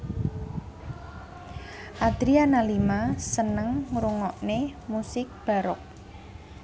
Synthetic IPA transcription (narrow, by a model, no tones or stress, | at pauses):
ʔad̪̥ɾianalimasənəŋɾuŋɔʔnemusɪk̚b̥a̤ɾɔk̚